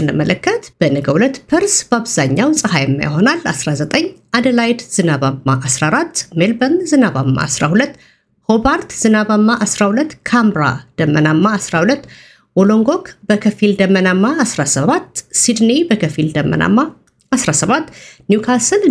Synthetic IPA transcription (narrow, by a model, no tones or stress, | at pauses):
ɨnləmələkːət̪b̥ənɨɡəwulət̪ːpʰəɾsbaβz̥aɲːawsʼɨhajɛmːa̰jɦo̞nalːasɾazət̪ʼəɲː | ad̪əlajd̪z̥ɨnaβamːaʔasɾaɾat̪ːmelbənzɨnaβamːa̰ːsɾahulət̪ː | hobaɾt̪z̥ɨnaβamːaʔasɾahulət̪ːkʰamɾa̰d̪̥əmːənamːaːsɾahulət̪ː | woloŋɡo̞kbəkʰəfild̪əmːənamːaːsɾasəβat̪ːsid̪nibəkʰəfild̪əmːə̰nʔa̰mːaː | sɾasəβat̪ːnjukʰasən